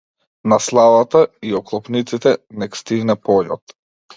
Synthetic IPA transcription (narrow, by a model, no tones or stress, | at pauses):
naslˠavat̪aiɔklˠɔpnit̪sit̪ɛnɛkst̪iɡnɛpɔʎɔ̰t̪